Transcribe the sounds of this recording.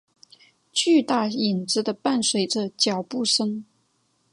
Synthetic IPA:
t͡ɕy˥˧t̪a˥˩i˨˩nt͡sɹ̩˥d̪ə˨pa˥˩nswe˧˥ɪʈ͡ʂə˨˩t͡ɕjɑ˨˩ʊpu˥˩ʂə˥ŋ

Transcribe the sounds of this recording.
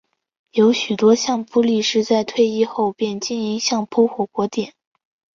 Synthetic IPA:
jo˧˥ʊɕy˨˩t̪wɔ˥ɕjɑ˥˩ŋpu˥li˥˧ʂɻ̩˥˧t͡sa˥˧ɪt̪ʰwe˥˧ɪi˥˧xo˥˧ʊpjɛ˥˧nt͡ɕi˥ni˧˥ŋɕjɑ˥˩ŋpʰɔ˥xwɔ˧˥˩kwɔ˧˥t̪jɛ˨˩˦n

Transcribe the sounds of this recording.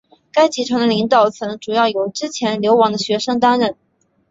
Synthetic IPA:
ka˥ɪt͡ɕʰi˧˥ʈ͡ʂʰwɤ˧˥ŋd̪ə˧li˧˥ŋt̪ɑ˨˩ʊt͡sʰɤ˧˥nɤ˧˥ŋʈ͡ʂu˨˩jɑ˥˩ʊjo˨˩ʊʈ͡ʂɻ̩˥t͡ɕʰjɛ˧˥nljo˧˥ʊwɑ˧˥ŋd̪ə˧ɕɥɛ˧˥ʂɤ˥ŋt̪̬a˥nɻə˥˩n

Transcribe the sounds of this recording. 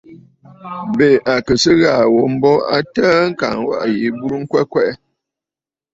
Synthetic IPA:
be˨a˨kɨ˨sə˦ɣa˦˨wo˨m̩˦bɔ˦a̰˦tə˦ŋ̩˦ka̰˨ŋ˦wa̰˦ʔji˨˦bu˦ɾŋ̩˦kwɛ˦kwɛ˦ʔɛ˦

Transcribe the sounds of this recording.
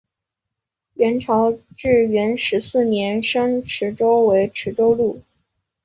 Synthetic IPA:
ɥɛ˧˥nʈ͡ʂʰɑ˧˥ʊʈ͡ʂɻ̩˥˩ɥɛ˧˥nʂɻ̩˧˥sɹ̩˥˩njɛ˧˥nʂɤ˥ŋʈ͡ʂʰɻ̩˧˥ʈ͡ʂo˥ʊwe˧˥ɪʈ͡ʂʰɻ̩˧˥ʈ͡ʂo˥ʊlu˥˩

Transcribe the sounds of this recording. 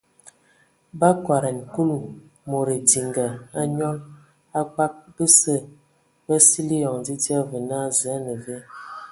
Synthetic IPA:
ba˦kwa˨ɾɛ˨n˨ku˦lu˨ | mo˨ɾe˨di˨ŋɡa˨a˦ɲɔ˦ŋ | a˦k͡pa˦k̚bə˦sə˦ | bə˦si˦li˦jɔ˨ŋd͡zi˦ti˦a˦və˨na˦˨zɛ˨˦nə˨ve˦

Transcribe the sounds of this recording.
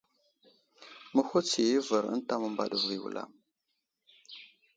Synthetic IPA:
mə˦xu˦t͡si˨ji˦və˨ɾə̰˦n˦ta˦mə˦mba̰˦ɗə˨vi˨wṵ˨lʔa̰˦˨m

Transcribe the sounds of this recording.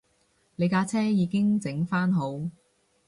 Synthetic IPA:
le˨˧jkaː˧t͡sʰɛː˥jiː˨˧kɪ˥ŋt͡sɪ˨˥ŋfaː˥nɦo˨˧w

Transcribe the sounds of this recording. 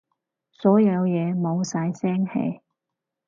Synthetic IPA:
sɔː˨˥jɐ˨˧wjɛː˨˧mo˨˧wsaː˨˧˥jsɛː˥ŋhḛ˨˧j

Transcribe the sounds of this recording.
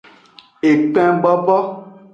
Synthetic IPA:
e˨k͡pɛ̃˦ɡ͡bɔ˦bɔ˦

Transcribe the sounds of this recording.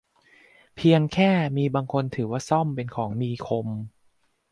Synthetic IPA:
pʰiː˧əŋkʰɛː˥˩miː˧baː˧ŋkʰo˧nt̪ʰɯː˩˦waː˥˩sɔ˥˩mpe˧nkʰɔː˩˦ŋmiː˧kʰo˧m

